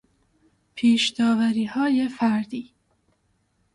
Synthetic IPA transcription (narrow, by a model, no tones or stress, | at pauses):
pʰiːʃd̪̥ɒːvæɾiːhɒːje̞fæɾd̪iː